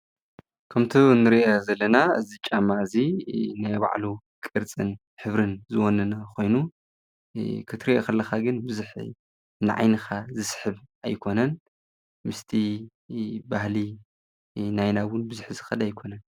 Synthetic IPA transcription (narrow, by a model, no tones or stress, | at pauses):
kʰɐmt̪ʰonːɨɾiʔezɐlːɐnaɨzit͡ʃʼamːaɨzinajba̰ʕlu | kʼɨɾt͡sʼɨn | ħɨβɾɨnzɨwonːɐnakʰo̞jnu | kʰɨt̪ʰɾiʔokʰɐlːɐxaɡɨnbɨzuħ | nɨʕa̰jnɨxazɨsħɨβajkʰo̞nɐn | mɨst̪ʰi | bahli | najnawʊnbɨzuħzɨxɐd̪ajkʰo̞nɐn